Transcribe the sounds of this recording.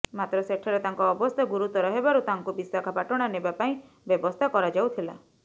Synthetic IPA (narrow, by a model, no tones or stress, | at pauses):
mat̪ɾɔseʈʰɔɾet̪aŋkɔːbɔst̪ʰaɡuɾut̪ɔɾɔɦebaɾut̪aŋkubisakʰapaʈɔɽ̃anebapaĩ | bjɔbɔst̪ʰakɔɾad͡ʒawt̪ʰila̰